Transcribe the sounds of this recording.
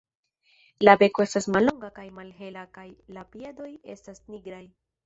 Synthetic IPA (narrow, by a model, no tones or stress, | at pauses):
labe̞ko̞e̞stasmalːo̞ŋɡakajmalɦe̞lakajlapiado̞je̞̰stasniɡɾaj